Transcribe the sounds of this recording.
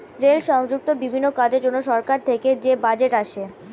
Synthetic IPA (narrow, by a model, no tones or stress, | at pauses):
ɾelʃɔŋd͡ʑuk̚t̪obibʱinːokad͡ʑeɾd͡ʑonːoʃɔɾkaɾt̪ʰeked͡ʑebad͡ʑeʈaʃe